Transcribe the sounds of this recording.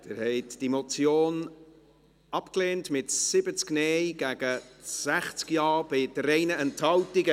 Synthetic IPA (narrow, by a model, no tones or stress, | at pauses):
d̥ɛɾhɛɪtd̥imot͡sjoːn | ɑpkleːntmɪtsɪbət͡skneːjɡ̥æɡ̥əsæχt͡skjɑːb̥ɪdəɾɛɪnəɛnthɑltiɡə